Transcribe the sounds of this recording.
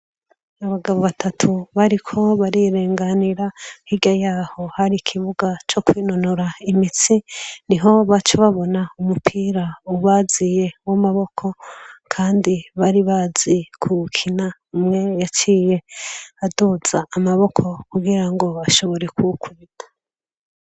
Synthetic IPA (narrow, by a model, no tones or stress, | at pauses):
aβaɡaβo̞βatʰatʰuβaɾikʰo̞βaɾiɾeːŋɡaniɾahiɡajaːho̞haɾikʰiβuɡat͡ʃo̞kwiːnonoɾaimit͡siniɦo̞βat͡ʃeβaβo̞naumupʰiɾauβazije̞wamaβo̞kʰo̞kʰaːndiβaɾiβaz̥ikʰukʰinamŋe̞jat͡ʃije̞aduz̥aːmaβo̞kʰo̞kuɡiɾaŋɡo̞βaʃo̞βo̞ɾe̞kukwidḁ